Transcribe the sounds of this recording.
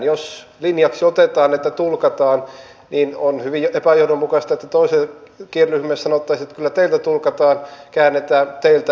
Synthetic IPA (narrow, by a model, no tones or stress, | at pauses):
joslinjɑksiot̪et̪ɑːnːet̪ːæt̪ulkɑt̪ɑːn | ninonhyʋijʔepæjoudommukɑst̪ɑet̪ːæt̪oisekierːyhmessɑnot̪ːɑisiet̪kylːæt̪eilt̪æt̪ulkɑt̪ɑːnkæːnːet̪æːt̪eilt̪æ